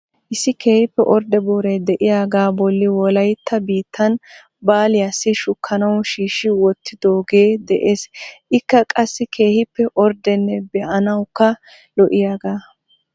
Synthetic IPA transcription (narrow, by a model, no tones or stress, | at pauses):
ʔɪsːɪke̞ːhɪpːɛʔɔɾd̪ɛboːɾɛd̪ɛʔɪjaːɡaːbɔlːɪwɔlɐjt̪ʰːɐbiːt̪ʰːɐn | baːlɪjasːɪʃʊkʰːɐnɐwʃiːʃɪwɔt̪ːɪd̪o̞ːɡe̞ːd̪ɛʔeːsʔɪkːɐkʼɐsːɪkʰe̞ːhɪpːɛʔɔɾd̪ɛnːɛbɛʔɐnɐwkːɐ | lɔʔɪjaːɡaː